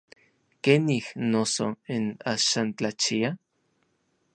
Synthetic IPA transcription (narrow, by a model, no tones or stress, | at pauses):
kenihnosoinaʃaːnt͡ɬat͡ʃia